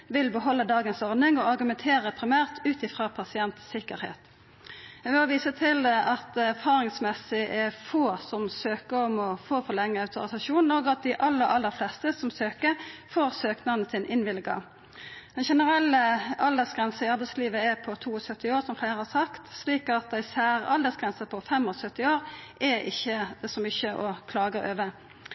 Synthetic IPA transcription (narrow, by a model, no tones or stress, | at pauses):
ʋɪlbəɦɔlːəd̪ɑːɡənsɔʁd̪nɪŋɔɑʁɡʉmɛnt̪ʰeːʁəpʰɾɪmæːʁt̪ʰʉːt̪ɪfɾɑpʰɑsɪɛnt̪sɪkəɾhḛːt̪ | ɛmɔʋiːsət̪ʰɪlʔɑt̪æɾfɑːɾɪŋsmɛsɪʔɛfoːsɔmsøːkəɔmɔfoːfɔʁlɛŋːəɑʉt̪ʊ̰ɾɪsɑʃuːnoːɡɑt̪̚d̪ɪʔɑlːəɾɑlːəɾflɛst̪əsɔmsøːkəfoːɾsøːknɑnəsɪnʔɪnʋɪlɡɑ̰ | d̪̥ɛnʃɛnəɾɛlːəɑld̪əsɡʁɛnsn̩ɪɑɾbɛɪsliːʋəɛpʰɔt̪ʰuːɔsœt̪ːɪoːɾsɔmflæɪɾəhɑsɑkt̪sliːkɑt̪̚d̪æɪsæːɾʔɑ̰ld̪əsɡʁɛnsəpʰɔfɛmːɔsœt̪ːɪoːʁʔɛɪ̰çːəsɔmʏçːəʔɔkʰlɑːɡəɾø̰ːʋə